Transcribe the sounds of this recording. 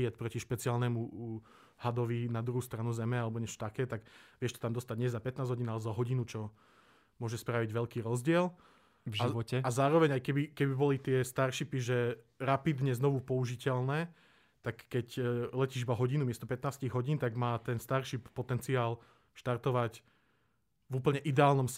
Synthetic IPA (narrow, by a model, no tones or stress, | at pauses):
ɛt̪pɾɔciʃpɛt͡siaːlnɛmu | had̪ɔʋinad̪ɾuɦuːst̪ɾanuzɛmɛalɛbɔɲɛt͡ʃɔ̥t̪akɛːt̪aɡʋɪɛʃt̪ɔ̥t̪amd̪ɔst̪aɟɲɪɛzapɛt̪naːzɦɔɟinalɛzaɦɔɟinut͡ʃɔ | mʊɔʒɛspɾaʋiɟʋɛʎkiːɾɔzɟɪɛl | vʒaiʋɔcɛazaːɾɔʋɛɲajkɛbikɛbibɔlit̪ɪɛst̪aɾʃipiʒɛɾapid̪ɲɛznɔʋupɔuʒicɛʎnɛː | t̪akːɛclɛciːʒibaɦɔɟinumɪɛst̪ɔpɛt̪naːsciɣɦɔɟiːnt̪aɡmaːt̪ɛnst̪aɾʃipːɔt̪ɛnt͡siaːl | ʃt̪aɾt̪ɔʋac | vuːpl̩ɲɛʔid̪ɛaːlnɔm